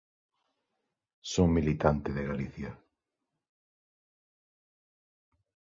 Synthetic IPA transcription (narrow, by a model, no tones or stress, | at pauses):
soŋmilit̪ant̪ɪðeɣaliθjɐ